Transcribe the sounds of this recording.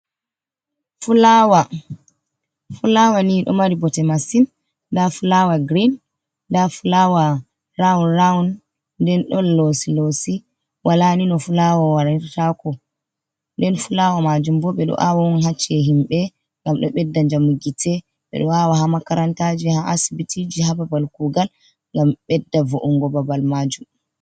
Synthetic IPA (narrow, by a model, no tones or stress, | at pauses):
fulawa | fulawaniɗɔ̰maɾibɔtɛmasin | dafulawaɡɾin | dafulawa | ɾaunɾawn | dɛnɗɔlːosilosi | wʔalaninɔfulawawaɾaniɾtakɔ | ndɛnfulawamad͡ʒumbɔɓɛɗɔ̰ʔawaunɦat͡ʃːɛɦimɓɛ | ŋɡamɗɔɓɛdːaɲd͡ʒamuɡitʰɛ | ɓɛ̰ɗɔawahamakaɾantad͡ʒihaʔasibitʰid͡ʒihababalkuɡal | ŋɡamɓɛdːavoʔuŋɡɔbabalmad͡ʒum